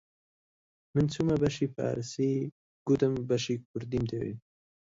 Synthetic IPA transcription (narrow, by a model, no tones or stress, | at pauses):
mɨnt͡sʰumabɐʃipʰa̰ɾsi | ɡ̥ud̪ɨmbɐʃik̚ʰʊɾd̪imd̪ewḭ